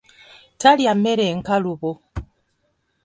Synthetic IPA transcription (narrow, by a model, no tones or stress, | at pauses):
tʰaljamɛɾɛŋ̩kaluβo